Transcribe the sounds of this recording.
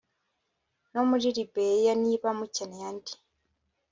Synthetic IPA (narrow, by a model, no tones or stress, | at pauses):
nomuɾiɾibejaniβamucenejanti̥